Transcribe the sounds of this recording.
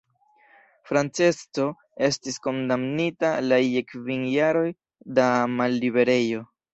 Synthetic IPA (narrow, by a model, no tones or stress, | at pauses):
fɾant͡se̞sto̞ | e̞stisko̞ndamnitalajekvinjaɾo̞j | damalːibe̞ɾe̞jo̞